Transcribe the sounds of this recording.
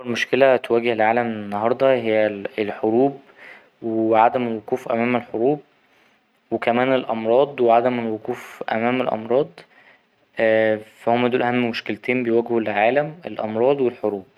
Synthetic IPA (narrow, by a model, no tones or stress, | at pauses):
eɾmoʃkelæt̪wæːɡehelʕaːlæmenːɑhɑɾˤd̪ˤɑhejːæelħoɾuːb | weʕad̪æmelwoquːfʔæ̰mæːmelħoɾuːb̚ | wekæmæːnelʔɑmɾˤɑːd̪ˤweʕad̪æmelwoquːfʔæ̰mæːmelʔɑ̰mɾˤɑːd̪ˤ | ʔfæhomːæd̪uːlʔæhæmːmoʃkelt̪ʰeːmbejwæɡhulʕaːlæmḛlʔɑ̰mɾˤɑːd̪ˤwelħoɾuːb̚